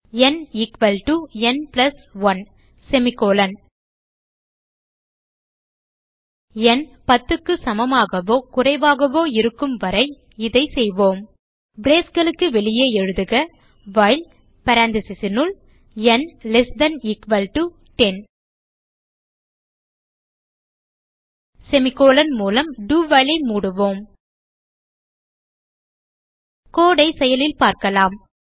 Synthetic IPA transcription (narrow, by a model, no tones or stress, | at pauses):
ɛnɪkʋɐlʈuɛnplɐsʋɐn | sɛmɪkoːlɐn | ɛn | pɐt̪ːɯkːɯsɐmɐmaːɣɐʋoːkʊrɐɪʋaːɣɐʋoːɪɾɯkːɯmʋɐɾɐɪ | ɪðɐɪsɛjʋoːm | bɾeːsɡɐɭɯkːɯʋɛɭɪjeːɛɻɯðɯɣɐ | ʋɐɪl | pɐɾaːnd̪ɪsɪsɪnɯl | ɛnlɛsd̪ɐnɪkʋɐlʈu | ʈɛn | sɛmɪkːoːlɐnmuːlɐmɖuːʋɐɪlɐɪmuːɽɯʋoːm | koːɽɐɪsɛjɐlɪlpaːɾkɐlaːm